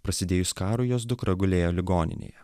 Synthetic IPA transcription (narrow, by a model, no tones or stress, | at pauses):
pɾɐsʲɪd̪ʲeːjʊskɑːɾʊjoːsd̪ʊkɾɐɡʊlʲeːjoːlʲɪɡoːnʲɪ̰nʲḛːjɛ